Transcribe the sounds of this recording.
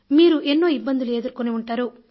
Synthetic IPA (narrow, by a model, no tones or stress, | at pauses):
miːɾuʔenːo̞ːibːɐnd̪ulue̞ːd̪uɾkoniuɳʈaːɾu